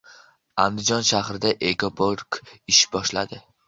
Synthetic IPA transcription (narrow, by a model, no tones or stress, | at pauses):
and̪ɪd͡ʒɒnʃahɾɪd̪aʔeɡopʰoɾkɪʃbɒʃla̰d̪ɪ